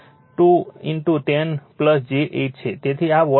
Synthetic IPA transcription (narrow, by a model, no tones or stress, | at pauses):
ʈuinʈuʈenpləsd͡ʒeʔeʈ̚t͡ʃʰet̪et̪ʰiaʋə